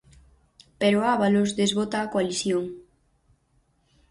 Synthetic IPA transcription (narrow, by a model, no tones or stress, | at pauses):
peɾoaβalozðezβot̪aːkoaliθjoŋ